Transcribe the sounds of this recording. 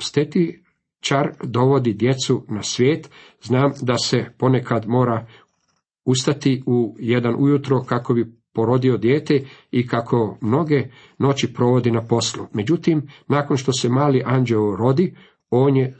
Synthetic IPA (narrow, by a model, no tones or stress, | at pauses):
st̪et̪i | t͡ʃaɾd̪o̞ʋo̞d̪id̪je̞t̪sunasʋʲjeːt̪ | znaːmd̪ase̞po̞ne̞kad̪mo̞ːɾa | ust̪at̪iujed̪anʔujut̪ɾo̞kako̞bipo̞ɾo̞d̪io̞d̪jeːt̪e̞ikakʰo̞mno̞ɡe̞ | no̞t͡ɕipɾo̞ʋo̞d̪inapo̞slˠume̞d͡ʑut̪imnaːko̞nʃt̪o̞se̞maːliʔand͡ʒelɾo̞d̪i | o̞ːnje